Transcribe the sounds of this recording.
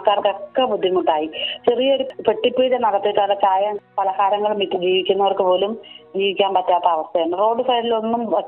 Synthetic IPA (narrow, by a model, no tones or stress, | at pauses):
kːaːrkɐkːɐbud̪ʱːjimuʈːaːjit͡ɕerijɐɽupeʈːipːiːɾenɐɽɐt̪ːiʈːɐɐlːɐt͡ɕaːjɐmpɐlɐkaːɾɐŋːɐɭumʋiʈːɨd͡ʑiːʋikʲːunːɐʋɐrkɨpo̞ːlumd͡ʑiːʋikʲːaːnpɐtːaːt̪ːɐːʋɐst̪ʰɐjeɳɖɨro̞ːɖɨfɐjɾilo̞nːum